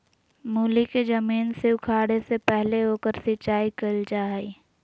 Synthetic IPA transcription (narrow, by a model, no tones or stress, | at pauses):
muːliked͡ʒɐmiːnseʊkʰaːɽesepɛɦleɦoːkəɾsɪtːt͡ʃʃaːikəld͡ʒaːɦi